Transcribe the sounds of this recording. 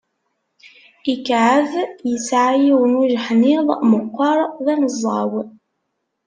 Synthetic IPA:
ikʕəðjəsʕajiwənuʒħniðˤmʊqːɑɾˤðˤænəzˤːɑw

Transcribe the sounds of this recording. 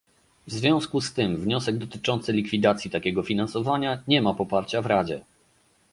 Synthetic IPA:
vzvʲjɔ̃w̃skust̪ɘmvɲɔsɛɡ̚d̪ɔt̪ɘt͡ʂɔnt̪sɘlʲikfʲid̪at̪sʲjit̪akʲɛɡɔfʲinansɔvaɲaɲɛmapɔpaɾt͡ɕavɾad͡ʑɛ

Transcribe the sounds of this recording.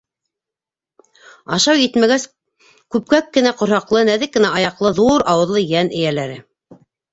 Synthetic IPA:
ɑʃɑwjɘt̪mæɡæs | kʉp̚kækːɘ̆næqŏɾhɑqlˠɤnæðɘkːɘ̆næʔɑjɑqlˠɤðuɾɑwɤ̆ðlˠɤjænɘ̆jælæɾɘ

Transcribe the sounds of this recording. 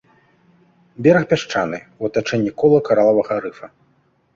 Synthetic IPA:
bʲɛɾɐxpʲaʂt͡ʂa̰nɨuɐt̪at͡ʂɛnʲːikɔlˠɐkaɾalˠɐvɐɣɐɾɨfɐ

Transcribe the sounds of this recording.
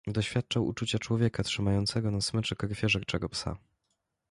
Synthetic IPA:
d̪ɔɕfʲjat̪̚t͡ʂawʔṵt͡ʂut͡ɕat͡ʂwɔvʲjɛkat̪ʂɘmajɔnt̪sɛɡɔnasmɘt͡ʂɛkɔɾfʲjɛʐɛk̚t͡ʂɛɡɔpsa̰

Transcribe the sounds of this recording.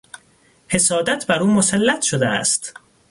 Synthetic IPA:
he̞sɒːd̪æt̪ʰbæɾuːmosælːæt̪ʰʃod̪eæ̰st̪

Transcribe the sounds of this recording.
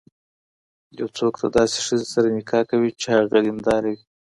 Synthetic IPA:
jawt͡sokt̪ad̪ɑse̥ʂəzesaɾanɪkɑkawit͡ʃehaɣalimd̪ɑɾawi

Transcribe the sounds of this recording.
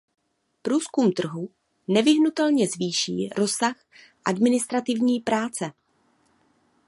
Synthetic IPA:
pɾuːskumt̪r̩ɦu | nɛvɪɦnut̪ɛlɲɛzviːʃḭːɾo̞sax | ʔadmɪnɪst̪ɾat̪ɪvɲiːpɾaːt͡sɛ

